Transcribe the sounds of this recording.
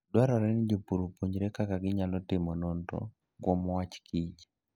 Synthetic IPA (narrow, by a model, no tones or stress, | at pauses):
dwaɾɔɾɛnɪd͡ʒopuɾopuɲd͡ʒɾɛkakaɡɪɲalɔtɪmɔnɔntɔ̰ | ɡwɔmwat͡ʃkʰid͡ʒ